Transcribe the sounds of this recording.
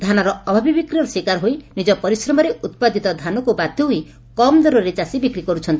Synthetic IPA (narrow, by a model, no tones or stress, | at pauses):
d̪ʱanɔɾɔɔbʱabibikɾiɔɾswikaɾɦoinid͡ʒɔpɔɾisɾɔmɔɾeʔut̪̚pad̪ʱit̪ɔd̪ʱanɔkubad̪ʱjɔɦui | kɔmd̪ɔɾɔɾet͡ʃasibikɾikɔɾut͡ʃʰɔnt̪i